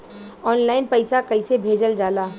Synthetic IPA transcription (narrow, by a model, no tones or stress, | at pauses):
ɔːnlaːɪnpəɪsakəɪsebʱeːd͡ʒəld͡ʒaːlaː